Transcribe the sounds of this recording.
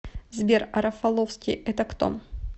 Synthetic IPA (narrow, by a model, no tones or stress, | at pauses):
zbʲeɾɐɾɐfɐlˠofskʲijɛt̪ɐkt̪o̰n